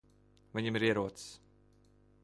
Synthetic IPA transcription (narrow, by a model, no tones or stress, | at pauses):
viɲʲimiɾiɛɾuɔt̪s